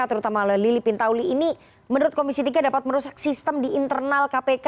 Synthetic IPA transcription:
at̪əɾut̪amalalilipint̪auliːni | mənuɾʊt̪̚komisit̪iɡadapat̪̚məɾusak̚sist̪əmdiːnt̪ərnalkapeka

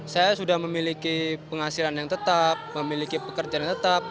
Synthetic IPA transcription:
sajasudahməmilikipəŋasilanjaŋt̪ət̪ap̚məmilikipəkərd͡ʒajaŋt̪ət̪ap̚

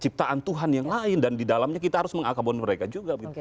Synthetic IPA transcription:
t͡ʃip̚t̪aʔant̪uɦanjaŋlaɪndandidalamɲakit̪aɦaɾʊsməŋakabɔniməɾekad͡ʒuɡaɡit̪

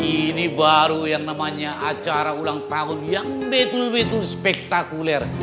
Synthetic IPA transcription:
inibaɾujaŋnamaɲaʔat͡ʃaɾaulaŋt̪aʊnjaŋbet̪ulbet̪ulspɛk̚t̪akulɛr

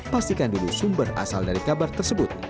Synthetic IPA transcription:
past̪ikandulusumbəra̰saldaɾikabart̪ərsəbʊt̪̚

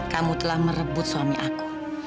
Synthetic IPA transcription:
kamut̪əlahməɾəbʊt̪̚swamiʔaku̥

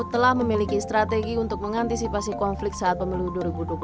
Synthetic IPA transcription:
t̪əlahməmilikist̪ɾat̪eɡiunt̪ʊk̚məŋant̪isipasikɔnflɪk̚t̪̚saat̪̚pəmiluduoɾibudwəp

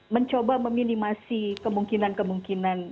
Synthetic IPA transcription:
məɲt͡ʃobaməminimasikəmuŋkinankəmuŋkinan

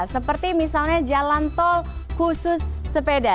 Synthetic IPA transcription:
səpərt̪imisalɲad͡ʒalant̪ɔl | kusʊsːəpeda

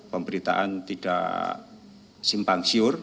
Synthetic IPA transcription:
pəmbəɾit̪a̰ʔa̰nt̪iɖ̥a̰ | simpaŋsiʊr

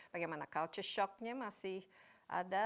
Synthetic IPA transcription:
b̥aɡajmanakalt͡ʃəʃɔk̚ɲamasɪhʔa̰da

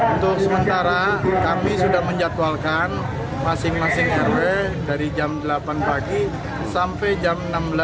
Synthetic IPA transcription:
unt̪ʊk̚səmənt̪aɾakamisudahməɲd͡ʒat̪walkan | masɪŋmasɪŋɛrwɛdaɾid͡ʒamdəlapanpaɡi | sampɛjd͡ʒamnambəla

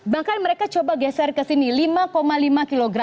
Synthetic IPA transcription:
bahkanməɾekat͡ʃobaɡɛsɛrkəsinilimakomalimakiloɡɾa

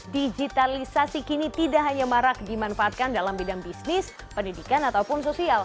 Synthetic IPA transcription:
did͡ʒit̪alisasikinit̪idaʔɦaɲamaɾak̚dimanfaat̪̚kandalambidaŋbisnɪs | pəndidikanat̪awpʊnsosial

